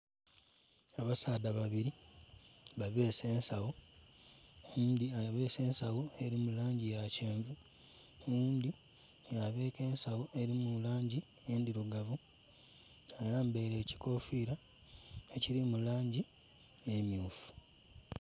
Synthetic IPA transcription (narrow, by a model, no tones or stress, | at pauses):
aβasaːdaβaβiɾi | βaβe̞ːse̞ːnsawo | uːndiaβe̞ːse̞ːnsawoe̞ɾimulaːɲɟijace̞ːɱvu | uːnd̪i | aβe̞ːke̞ːnsawoʔeɾimulaːɲɟi | e̞ndiɾuɡavu | ajaːmbeɾeːci̥ko̞fiːɾa | eciɾimulaːɲɟi | emjuːfu̥